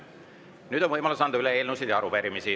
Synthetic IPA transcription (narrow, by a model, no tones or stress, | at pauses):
nyːd̪̥onvɤjmɑlusɑnd̪̥ɑyleeːlnusid̪jɑɑɾupeɾimisi